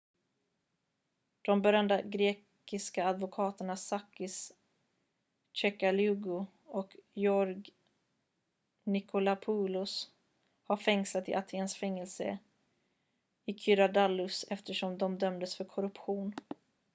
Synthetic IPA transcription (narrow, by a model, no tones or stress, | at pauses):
d̪̥ɔmbœɾjand̪əɡɾeːk | ɪskaːd̪vʊkʰɑːt̪əɳasakːɪs | t͡ʃɛkalʉːɡʊ | ɔkjɔɾɡ | nɪkʰʊlapʰuːlʊs | haɾfɛŋslat̪ɪ̰ʔat̪ʰeːnsfɛŋːɛlsə̰ | ɪkʰʏɾad̪alːɵsɛft̪əʂɔmd̪ɔmd̪œmd̪əsfœɾkʰɔɾɵpɧuːn